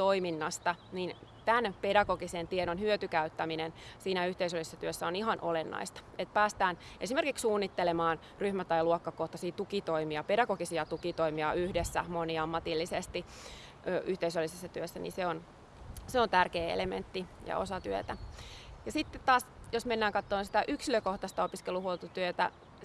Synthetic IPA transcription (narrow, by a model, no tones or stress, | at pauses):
t̪oiminːɑst̪ɑnint̪ænpedɑkokisent̪ienonhyøt̪ykæyt̪ːæminensiːnæyht̪eisølːisesːɑt̪yøsːæoniɦɑnʔolenːɑ̰ist̪ɑ̥et̪̚pæːst̪æːn | esimerkikssuːnːit̪ːelemɑːn | ryhmæt̪ɑiluokːɑkoht̪ɑsiːt̪ukit̪oimiɑpedɑkoɡisiɑt̪ukit̪oimiɑyhdesːæ̰moniɑmːɑt̪ilːisest̪i | øːʔyht̪eisølːisesːɑt̪yøsːænḭseon | seont̪ærkeːḛlemḛnt̪ːijɑ̰o̰sɑt̪yø̰t̪æjɑsit̪ːet̪t̪ɑːsjosmenːæːŋkɑt̪ːoːnsit̪æʔyksiløkoht̪ɑst̪ɑopiskeluhuolt̪ut̪yøt̪æ̰